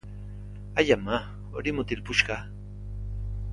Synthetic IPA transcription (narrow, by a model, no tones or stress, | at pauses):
ajama | oɾɪmʊt̪ɪlpʊʃɢɑ